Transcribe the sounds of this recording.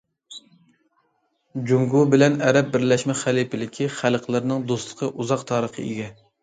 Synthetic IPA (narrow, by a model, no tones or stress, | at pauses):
d͡ʒuŋɡubɪlɛnæɾɛp̚bɪɾlɛʃmɛχælipɪlɪkʲʰiχælˠqʰlˠɪɾnɪŋd̪ost̪lˠə̥qʰəʔuzɑqt̪ʰɑːɾəqʰə̰ḛɡʲɛ